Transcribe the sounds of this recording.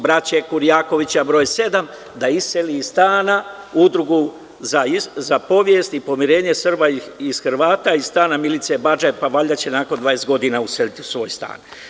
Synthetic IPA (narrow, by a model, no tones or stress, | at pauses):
bɾat͡ɕekuɾijaːko̞ʋit͡ɕabɾo̞ːjse̞d̪am | d̪aiseliːst̪aːna | ud̪ɾuɡu | zaizapo̞ʋje̞st̪ipo̞miɾe̞ːɲesr̩baisxɾʋaːt̪aisst̪aːnamilit̪sebad͡ʒepaʋaːʎat͡ɕe̞naːko̞nd̪ʋaːest̪̚ɡo̞d̪inauselit̪iu̥sʋo̞ːjst̪a̰ːn